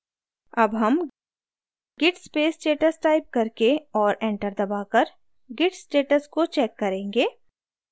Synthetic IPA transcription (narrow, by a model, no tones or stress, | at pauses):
ɐbɦɐm | ɡɪʈspeːsʈeːʈəsʈaːɪp̚kɐɾkeɔːɾẽːɳʈəɾd̪ɐbaːkɐɾ | ɡɪʈsʈeːʈəskot͡ʃɛːkːɐɾẽːŋɡeː